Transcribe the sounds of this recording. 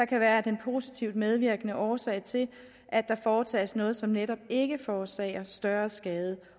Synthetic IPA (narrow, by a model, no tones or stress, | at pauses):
d̥ɑ̈kʰæʋæːɐd̥enpʰo̝si̥t͡sʰiʊ̰d̥með̞ˠʋiɐɡ̥ənəʔɒːsɛ̰ɪ̰t͡sʰe̝l | ʔæd̥ɑ̈fɒːt͡sʰɛ̰ːsnɔ̽ːð̩ˠsɒ̽mneɾɒ̽b̥̚e̝ɡ̥əfɒːsɛ̰ːɪɐsd̥ɶːɐsɡ̥ɛːð̞ˠə